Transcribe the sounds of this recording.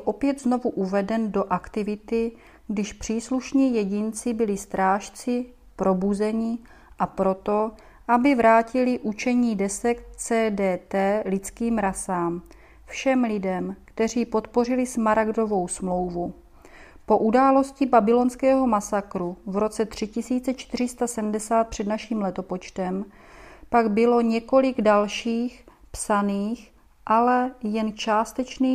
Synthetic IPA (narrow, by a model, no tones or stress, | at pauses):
lʔo̞pjɛd̪zno̞vuʔuvɛdɛndo̞ʔakt̪ɪvɪt̪ɪ | ɡdɪʃpr̥iːsluʃɲiːjɛɟɪnt͡sɪbɪlɪst̪ɾaːʃt͡sɪ | pɾo̞buzɛɲɪ | ʔapɾo̞t̪o̞ | ʔabɪvɾaːcɪlɪʔut͡ʃɛɲiːdɛsɛkt̪t͡sɛːdɛːt̪ɛːlɪt͡skiːmɾasaːm | fʃɛmlɪdɛmkt̪ɛr̝iːpo̞t̪po̞rɪlɪsmaɾaɡdo̞vo̞wsmlo̞wvu | po̞ʔudaːlo̞scɪbabɪlo̞nskɛːɦo̞masakɾuvɾo̞t͡sɛt̪r̝̥ɪcɪsiːt͡sɛt͡ʃt̪ɪɾ̝ɪst̪asɛdm̩dɛsaːt̪̚pr̥ɛdnaʃiːmlɛt̪o̞po̞t͡ʃt̪ɛm | paɡbɪlo̞ɲɛko̞lɪɡdalʃiːxpsaniːx | ʔalɛjɛnt͡ʃaːst̪ɛt͡ʃniː